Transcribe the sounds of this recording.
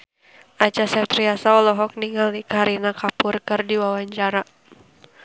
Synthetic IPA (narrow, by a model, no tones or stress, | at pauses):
ʔat͡ʃasat̪ɾiasaɔlɔɦɔk̚niŋalikaɾinakapʊrkərdiwawaɲt͡ʃaɾa